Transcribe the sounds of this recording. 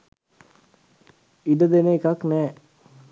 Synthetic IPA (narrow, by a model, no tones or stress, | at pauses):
iɖəd̪eneːkaknɛː